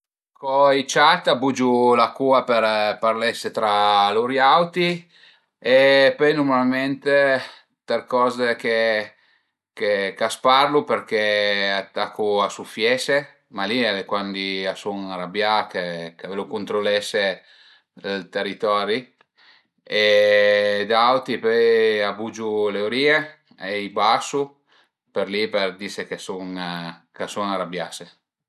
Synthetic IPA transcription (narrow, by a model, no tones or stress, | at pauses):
kɔit͡ʃat̪abud͡ʒulakuapeɾparlɛsːet̪ɾaluɾjawt̪i | epɔjnuɾmalment̪e | t̪erkɔzeke | kekasparluperkeat̪akʰːuasufjɛse | maliɛlekwand̪iasuŋaɾabjakekalokunt̪ɾolɛse | lt̪erːit̪ɔɾi | e | d̪awt̪ipɔjabud͡ʒuleoɾiːe | eibasu | peɾliperd̪isekesuŋ | kasuŋaɾabjase